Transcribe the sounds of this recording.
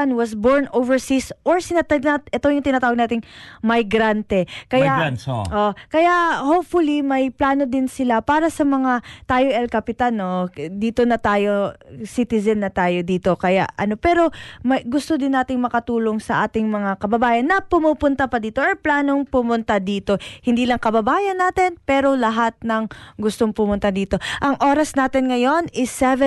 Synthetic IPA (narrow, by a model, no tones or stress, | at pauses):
ɐnwɐsboɹnʔovɛɹsisʔoɹsɪnat̪ɐaʔɛt̪ojʊŋt̪ɪnat̪aːwɐɡ̚naːt̪ɪŋmɐjɡɾant̪ɛkɐjaʔoʔkɐjaʔhowpfʊlimɐjplaːno̞d̪ɪnsɪlapaːɾɐsɐmɐŋat̪aːjoʔɛlkɐpɪt̪anːo̞d̪iːt̪onɐt̪aːjo̞sit̪ɪzɐnːɐt̪aːjo̞d̪iːt̪o̞kɐja̰ʔɐno̞pɛːɾo̞mɐjɡʊst̪od̪ɪnːaːt̪ɪŋmɐkɐt̪uːlo̞ŋsɐʔaːt̪ɪŋmɐŋakɐbɐbaːjɐnːɐpʊmupʊnt̪apɐd̪iːt̪o̞ʔoplaːno̞ŋpʊmʊnt̪ad̪iːt̪o̞hɪnd̪iːlɐŋkɐbɐbaːjɐnːaːt̪ɪnpɛːɾo̞lɐɦat̪̚nɐŋɡʊst̪o̞ŋpʊmʊnt̪ad̪iːt̪o̞ʔɐŋʔo̞ːɾɐsnaːt̪ɪnŋɐjo̞nɪsɛvɛ